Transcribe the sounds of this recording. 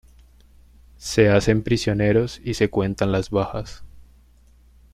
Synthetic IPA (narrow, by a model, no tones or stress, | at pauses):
se̞ase̞mpɾisjo̞ne̞ɾo̞sise̞kwe̞nt̪anlazβaxas